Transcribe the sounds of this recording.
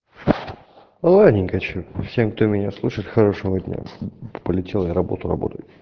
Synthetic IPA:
lˠanʲɪŋʲɡɐt͡ɕufsʲe̞mk̚t̪omʲɪnʲaslˠuʂɨt̪ʲxɐɾo̞ʂəvədʲnʲa̰pəlʲɪtʲelˠjaɾɐbo̞̰t̪ʊrɐ̰bo̰t̪əjʊ

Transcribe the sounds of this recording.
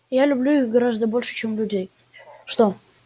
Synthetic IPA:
jalʲʊblʲuɪxɡɐɾazd̪əbolʲʃə̥t͡ɕemlʲʊdʲej | ʂt̪o

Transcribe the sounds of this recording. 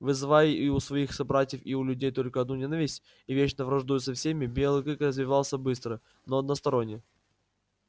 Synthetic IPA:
vɨzɨvajiʊsvɐixsɐbɾatʲɪjəfiʊlʲʉdʲejt̪o̞lʲkəɐd̪nunʲe̞nəvʲɪsʲtʲ | ivʲet͡ɕnəvɾɐʐd̪ujʊsəfsʲemʲɪbʲelˠɨkɨkrəzvʲɪvalˠsʲəbɨst̪ɾɨ | noɐd̪nəst̪ɐɾo̞nʲːɪjə

